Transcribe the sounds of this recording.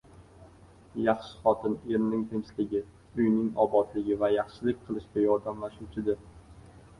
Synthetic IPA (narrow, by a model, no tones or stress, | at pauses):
jɑχʃɪ̥χɒt̪ʰɪneɾmnɪŋt̪ʰemslɪɡʲɪ | ʊjnɪŋɒbɒt̪lɪɡʲɪvajɑχʃɪlɪk̚ʲqʰɨlˠɪʃkʲajɒɾd̪amlaʃuwt͡ʃʰɪd̪ɪɾ